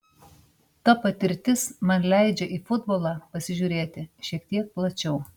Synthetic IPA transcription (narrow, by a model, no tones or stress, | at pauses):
t̪ɐpɐt̪ʲɪɾʲt̪ʲɪsmɐnlʲæˑɪd͡ʒʲɛʔiːfʊd̪boːlˠɑːpɐsʲɪʒʲuːɾʲeːt̪ʲɪʃʲiɛk̚t̪ʲiɛk̚plˠɐt͡ʃʲɛʊ